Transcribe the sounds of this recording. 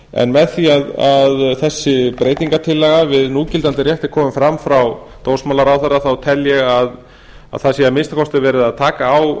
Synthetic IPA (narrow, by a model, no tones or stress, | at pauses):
ɛ̰nmɛðθiaðaðθɛsːɪpɾeːjt̪iŋkat̪ʰɪlːɛɣavɪðnuːcɪlt̪ant̪ɪɾrjɛht̪ɪ̥kʰɔːmʏmfɾamfɾaw | t̪oːwsmaːlaɾawθɛrːaθawt̪ʰɛljɛɣað | a̰ðθaðsiːamɪnst̪akʰɔst̪ɪɾvɛːɾɪðaðt̪ʰaːkaːw